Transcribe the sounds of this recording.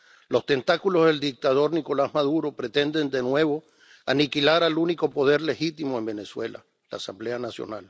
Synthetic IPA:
lo̞st̪e̞nt̪akulo̞zðe̞ld̪ik̚t̪að̞o̞ɾniko̞lazmað̞uɾo̞pɾe̞t̪e̞nd̪e̞nd̪e̞nwe̞βo̞ | anikilaɾaluniko̞po̞ð̞e̞ɾle̞xit̪imo̞e̞mbe̞ne̞swe̞la̰ | la̰ːsamble̞anasjo̰nal

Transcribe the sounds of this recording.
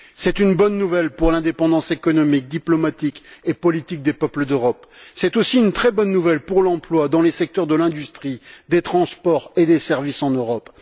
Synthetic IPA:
sɛt̪ynbɔnːuvɛlpuʁlɛ̃d̪epɑ̃d̪ɑ̃sekɔnɔmik̚d̪iplɔmat̪ikepɔlit̪ik̚d̪epœpləd̪øʁɔpsɛt̪osiynt̪χɛbɔnːuvɛlpuʁlɑ̃plwad̪ɑ̃lesɛk̚t̪œʁd̪əlɛ̃d̪yst̪χid̪et̪χɑ̃spɔʁed̪esɛʁvisɑ̃nøʁɔp

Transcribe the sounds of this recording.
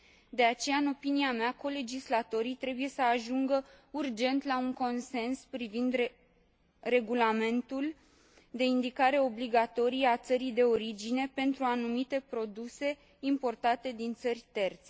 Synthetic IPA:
d̪e̞at͡ʃe̞jaɨno̞piniameako̞le̞d͡ʒislat̪o̞ɾit̪ɾe̞buje̞səaʒuŋɡəurd͡ʒe̞nt̪lauŋko̞nse̞nspɾivind̪ | re̞ɡulame̞nt̪ul | d̪e̞ind̪ikaɾe̞o̞bliɡat̪o̞ɾijeat̪səɾijd̪e̞o̞ɾid͡ʒine̞pe̞nt̪ɾuanumit̪e̞pɾo̞d̪use̞ | impo̞rt̪at̪e̞d̪int̪sərʲt̪e̞rt̪se

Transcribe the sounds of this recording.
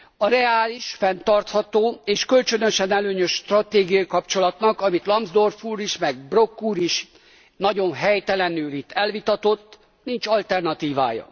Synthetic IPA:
ɒɾɛaːliʃfɛnt̪ɒrt̪hɒt̪oːeːʃkølt͡ʃønø̞ʃɛnɛløːɲøʃʃt̪rɒt̪eːɡijɒikɒpt͡ʃo̞lɒt̪nɒkɒmit̪lɒmzd̪orfuːɾiʃmɛɡ̚bro̞kːuːɾiʃ | nɒɟo̞nɦɛjt̪ɛlɛnyːlit̪ːɛlvit̪ɒt̪o̞t̪ː | nint͡ʃɒlt̪ɛrnɒt̪iːva̰ːjɒ̰

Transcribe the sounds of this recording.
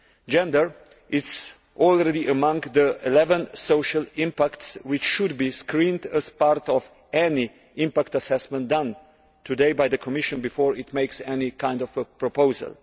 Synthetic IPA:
d͡ʒɛ̃ndəɹ | ʔɪts | ʔɔlˠɹɛdiʔəmʌ̃ŋɡðəilɛvə̃nsoʊʃəlɪ̃mpæktswɪt͡ʃʃudbiskɾĩndəz̥paɾtɔv | ɛni | ʔɪ̃mpækt̪əsɛsmɛ̃nt̚dãn | tʰudeɪbaɪd̪əkʰɔmɪʃə̃nbifɔːɹɪt̪meɪksɛnikãɪ̃ndɔfpɹɔpoʊzə̰lˠ

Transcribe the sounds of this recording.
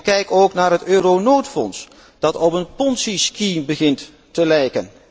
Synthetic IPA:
kɛjkowknaːɹɦətøːɾonoːtfɔ̰ns | d̥ɑtɔpənpɔnsiskibəχɪntː | əlɛjkən

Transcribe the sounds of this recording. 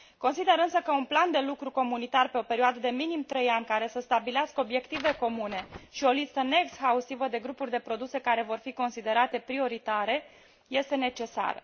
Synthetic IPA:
ko̞nsid̪e̞ɾɨnsəkəunpland̪e̞lukɾuko̞munit̪arpe̞o̞pe̞ɾioad̪əd̪e̞minimt̪ɾe̞janʲkaɾe̞səst̪abileaskəobje̞kt̪ive̞ko̞mune̞ʃio̞list̪əneeksxaust̪ivəd̪e̞ɡɾupurʲd̪e̞pɾo̞d̪use̞kaɾe̞vo̞rfiko̞nsid̪e̞ɾat̪e̞pɾio̞ɾit̪aɾe̞ | je̞st̪e̞ne̞t͡ʃe̞sa̰ɾə̰

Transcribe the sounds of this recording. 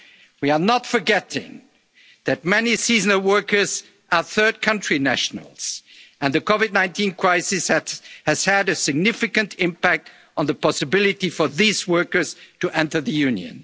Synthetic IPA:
wiə˞nətfə˞ɡɛɾɪ̰̃ŋ | ðɨt̚mɛnisiznəwɜ˞kə˞z | ʔə˞θɜ˞d̚kʰʌ̃nt͡ʃɹ̥inæ̰ʃn̩ə̰l̩ˠz̥ɨ̃nðɨkʰɔvɨdⁿnãɪ̃ntʰĩnkʰɹ̥aɪsɨshɨz̥hɨɾɨsɨɡ̚nɪfɨkɨ̃ntʰɪ̃mpæk̚t | n̩ðəpɑsɨbɪlˠɨɾifə˞ðizwɜ˞kə˞z̥tɨʔɛ̃ntə˞ðɨjʉ̃njɨ̰̃n

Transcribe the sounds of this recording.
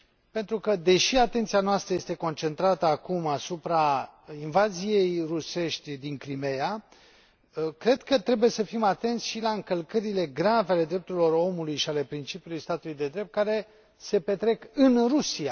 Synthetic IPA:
pe̞nt̪ɾukəd̪e̞ʃiat̪e̞nt̪sijanoast̪ɾəje̞st̪e̞ko̞nt͡ʃe̞nt̪ɾat̪əakumasupɾainvazije̞jruse̞ʃt̪ʲd̪iŋkɾime̞ja | kɾe̞d̪kət̪ɾe̞buje̞səfimat̪e̞nt̪sʲʃilaɨŋkəlkəɾile̞ɡɾaveale̞d̪ɾe̞p̚t̪uɾilo̞ro̞mulujʃiale̞pɾint͡ʃipijulujst̪at̪ulujd̪e̞d̪ɾe̞p̚t̪̚kaɾe̞ | se̞pe̞t̪ɾe̞kɨnrusia

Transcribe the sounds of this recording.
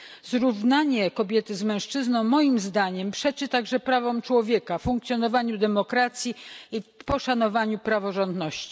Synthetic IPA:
zɾuvnaɲɛkɔbʲjɛt̪ɘzmɛ̃w̃ʂt͡ʂɘznɔ̃w̃mːɔjimzd̪aɲɛmpʂɛt͡ʂɘt̪aɡʐɛpɾavɔmt͡ʂwɔvʲjɛkafuŋk̚t̪sʲjɔnɔvaɲud̪ɛmɔkɾat̪sʲjiipɔʂanɔvaɲupɾavɔʐɔnd̪nɔɕt͡ɕi̥

